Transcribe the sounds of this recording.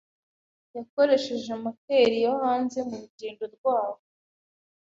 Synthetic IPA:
jako̞ɾe̞ʃe̞ʒemakeɾijahaːnze̞muɾuɟiːndo̞ɾɡwaːβo

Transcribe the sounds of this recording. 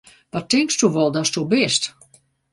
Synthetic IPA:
ʋɔtɪŋkstuʋɔlˠdɔstubɪst

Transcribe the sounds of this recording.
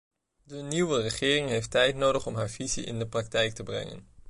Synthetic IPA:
dəniwərəχɪːrɪŋɦejftɛjtnowdəχɔmɦaːɹvizḭʔɪ̰ndəprɑk̚tɛjk̚təbrɛ̰ŋə̰n

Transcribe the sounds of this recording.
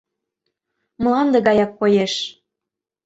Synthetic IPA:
mə̆lˠɑnd̪ə̆ɣɑjɑkːojeʃ

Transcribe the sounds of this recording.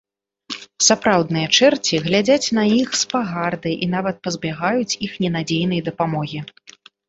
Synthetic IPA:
sapɾawd̪̚nɨjɐt͡ʂɛrt͡sʲiɣlʲad͡zʲat͡sʲnɐjixspaɣard̪ɨʔin̪avɐt̪̚pɐzbʲaɣajut͡sʲixnʲɛnad͡zʲejn̪ɐjd̪ɐpamɔɣʲi

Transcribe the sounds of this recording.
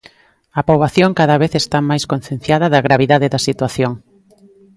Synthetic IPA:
ɐpoβaθjoŋkaðɐβeθest̪amajskon̟θjẽn̟θjaðɐðɐɣɾaβiðaðeðɐsit̪waθjoŋ

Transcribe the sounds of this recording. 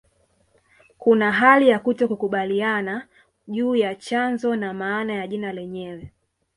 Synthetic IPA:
kunaɦalijakutɔkukuɓaliana | ʄuːjat͡ʃanzɔnamaːnajaʄinalɛɲɛwɛ

